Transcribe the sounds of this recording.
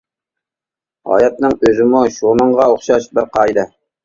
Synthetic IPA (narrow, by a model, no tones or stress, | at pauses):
ɑ̰jɑt̪̚nɪŋɵzɪmʊʃomɤɴʁɑoχʃɑʃbɪɾqɑjd̪ɤ